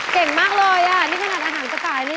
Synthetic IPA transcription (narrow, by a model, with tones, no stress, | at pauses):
ke˨˩ŋmaː˥˩k̚lɔː˧jʔaː˨˩niː˦˥˩kʰa˧na˨˩t̪ʔaː˧ɦaː˩˦nt͡ɕa˨˧˩t̪aː˨˩jma˦˥